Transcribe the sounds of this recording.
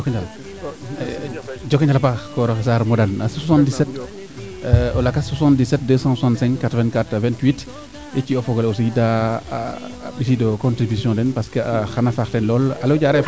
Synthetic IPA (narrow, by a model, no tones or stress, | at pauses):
kɲal | d͡ʒɔkːɛɲalpakɔɾɔxes̬aːɾmɔdanasswasãndisɛt | ɔlakaswasãndisɛt̚dəsɑ̃ːswasãntsɛ̃ŋkkatɾvɛ̃nkatavɛ̃ntwit | iciɔfɔɡɔlosiɡida̰ | bis̬idɔkɔ̃ntɾibisjɔ̃ndɛnpaskeaxanafaxtɛnlɔːlaloɟaɾɛ